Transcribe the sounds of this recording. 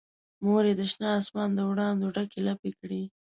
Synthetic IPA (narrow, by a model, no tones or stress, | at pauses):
moɾed̪əʃnɑːsmɑnd̪əwɽɑnd̪oɖakelapekɽi